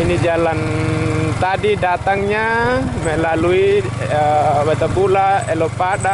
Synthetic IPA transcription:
inid͡ʒalant̪adidat̪aŋɲamɛlalui | bat̪abulaɛlɔpaɗa

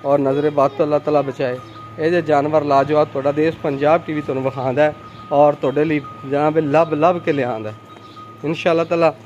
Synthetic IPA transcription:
ɔːɾnəzɾeːbaːd̪̚t̪õːəlːaːt̪aːlaːbət͡ʃaːeː | eːd͡ʒeːd͡ʒaːnʋəɾlaːd͡ʒʋaːd̪̚t̪ʊaːɖaːd̪eːspəɲd͡ʒaːbʈiːʋiːt̪ʊoaːnũːbəkʰãːnd̪aːɛ | ɔːɾt̪ʊoːɖeːləiːd͡ʒəãːbeːləbləbkeleːãːnd̪aː | ɪnʃaːlːaːt̪aːlaː

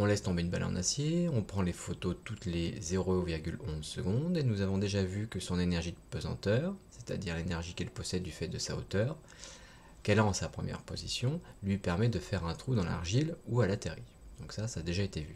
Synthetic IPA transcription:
ɔ̃lɛst̪ɔ̃beynba̰lʔɑ̰̃nasjeɔ̃pχɑ̃lefot̪ot̪ut̪lezeʁoviʁɡʲylɔ̃zsəɡɔ̃d̪enuzavɔ̃d̪eʒavykəsɔ̃nenɛʁʒid̪əpøzɑ̰̃t̪œːʁse̥t̪a̰d̪iʁlenɛʁʒikɛlpɔsɛd̪ːyfɛt̪̚d̪əsao̰t̪œːʁ | kɛlaɑ̃sapχəmjɛ̰ʁpo̰zisjɔ̃lɥipɛʁmɛd̪əfɛʁɛ̃t̪χud̪ɑ̃la̰ʁʒilualat̪eʁi | d̪̥ɔ̰̃ksasaːd̪eʒaet̪evy

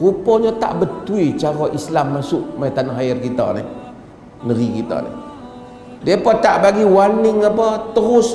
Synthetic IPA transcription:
upɔɲɔt̪a̰ʔbət̪uit͡ʃaɾɔʔislamːasʊʔmajt̪anaɦajɪrkit̪ɔ̰nɪh | nəɾikit̪ɔ̰nɪ̰h | diapət̪aʔbaɡiwanɪŋapət̪əɾʊs

